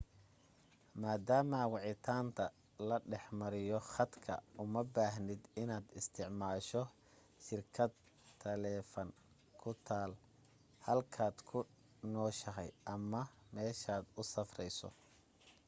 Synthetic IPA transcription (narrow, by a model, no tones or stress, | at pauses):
maːd̪aːmɐwɑʕɪt̪ʰaːnt̪ʰɐ | lɐɖɛħmɐɾɪjɔχɐd̪kʰɐ̰ʊmɐbaːɦnɪd̪ɪnaːd̪ɪst̪ʰɪʕmaːʃɔ | ʃɪrkʰɐd̪ | t̪ʰːɐlɛːfɐn | kʰʊt̪ʰaːl | hɐlkʰaːd̪kʰʊ | nɔːʃɐɦɐ̰jʔɐmɐmɛːʃaːd̪ʊsɐfrɛjsɔ̰